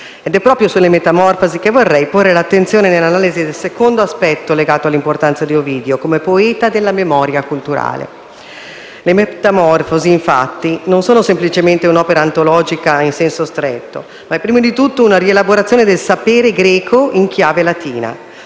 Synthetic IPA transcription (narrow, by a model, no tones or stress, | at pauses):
ɛd̪ɛpːɾɔːpɾjosulːemet̪amɔrfozik̟evːorːɛjporːelat̪ːent̪sjoːnenelːanaːlizid̪elsekond̪oaspɛt̪ːoleɡaːt̪oalːimport̪ant̪sad̪ioviːd̪eokomepoɛːt̪ad̪elːamemɔːɾjakult̪uɾa̰ːlḛ | lemet̪amɔrfoziːɱfa̰t̪ːinonsoːnosemplit͡ʃement̪eunɔːpeɾaːnt̪olɔːd͡ʒikainsɛnsost̪ɾɛt̪ːo | maɛpːɾiːmod̪it̪ut̪ːounaɾielaboɾat̪sjoːned̪elsapeːɾeɡɾɛːkʰoiŋkjaːvelat̪iːna̰